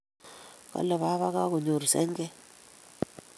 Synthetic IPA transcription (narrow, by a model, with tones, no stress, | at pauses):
ka̰˦lɔ˨βa˦βa˦ka˦ku˨ɲo˨ɾsɛ̰˦ŋɡɛ˦